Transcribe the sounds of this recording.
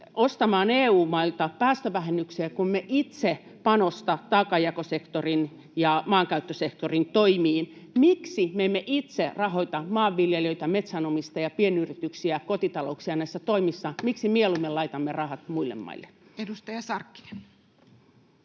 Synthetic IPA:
ost̪ɑmɑːneːuːmɑilt̪ɑpæːst̪øʋæhenːykseːkummeʔit̪se | pɑnost̪ɑt̪ɑːkɑjɑkosekt̪orin | jɑmɑːŋkæyt̪ːøsekt̪orint̪oimiːnmiksimeemːeʔit̪serɑhoit̪ɑmɑːʋːiljeløit̪æmet̪sænomist̪ɑjɑpienyrit̪yksiækot̪it̪ɑloksiɑnæisːæt̪oimisːɑmiksimielumːelɑit̪ɑmːerɑhɑt̪muilːḛmːɑ̰ilːeedust̪ɑjɑsɑrkːi̥e

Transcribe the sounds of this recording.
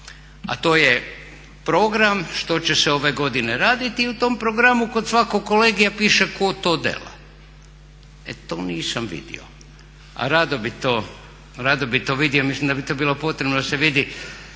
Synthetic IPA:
a̰t̪o̞ːje | pɾo̞ɡɾamʃt̪o̞t͡ɕeseo̞ʋe̞ɡo̞d̪ine̞ɾaːd̪it̪iut̪o̞mpɾoɡɾamuko̞d̪sʋakokːoleɡijapiːʃeko̞t̪o̞ːd̪ḛla̰ | ḛt̪o̞ːniːsamʋḭd̪ḭo̰ | a̰ɾad̪obit̪o | ɾad̪obit̪oʋid̪iomislimd̪abit̪o̞biːlo̞po̞t̪ɾebnod̪aseʋid̪i

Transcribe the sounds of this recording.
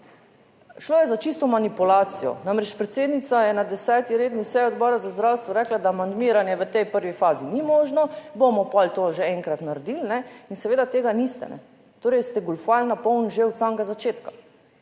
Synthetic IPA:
ʃloːjɛzat͡ʃist̪ɔmanipulaːt̪sijɔ̰namɾɛt͡ʃpɾɛt̪seːd̪nit̪sajɛnad̪ɛsɛːt̪iɾeːd̪nisɛjɔd̪bɔːɾazazd̪ɾawst̪ʋɔɾɛklad̪aːmand̪miːɾanjɛʋət̪ɛjpəɾʋifaːzinimoːʒnɔbomɔpɔlt̪oʒeɛ̃ŋkɾat̪naɾɛd̪ilnɛinsɛʋeːd̪at̪eːɡanist̪ɛ̰nɛ̰ | t̪oːɾɛjst̪ɛɡulfalnapɔwnʒew̪saŋɡazat͡ʃeːt̪kḁ

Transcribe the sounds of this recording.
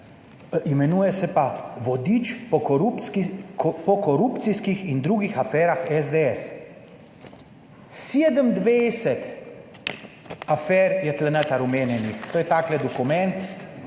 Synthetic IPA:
imɛnuːjɛsɛpaʋɔd̪iːt͡ʃpɔkɔɾup | pɔkɔɾupt̪siskixind̪ɾuːɡixafɛːɾaxɛzd̪eɛs | seːd̪əmd̪ʋejsɛt̪ | afɛːɾjɛt̪lɛnət̪aɾumeːnjɛnixt̪oːjɛt̪aːklɛd̪ɔkumɛnt̪

